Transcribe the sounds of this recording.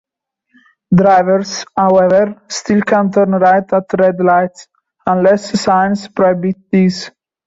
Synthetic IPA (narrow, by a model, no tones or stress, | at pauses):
d̪ɾajvəɾshawɛvəɾst̪ilkʰãnt̪əɾnɾajt̪ət̪ɾɛd̪laɪts | ãnlɛsːãj̃nspɾɔɛbit̪is